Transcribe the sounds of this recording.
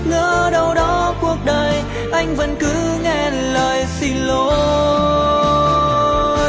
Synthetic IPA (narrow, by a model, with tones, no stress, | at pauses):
ŋəː˧˦ɗə˧wɗɔ˨˦ku˧˩ək̚ɗəː˨˩j | ʔa˧jŋ̟və˨˦˥nkɨ˨˦ŋɛ˧˩ | ləː˨˩jsi˧lo˧˦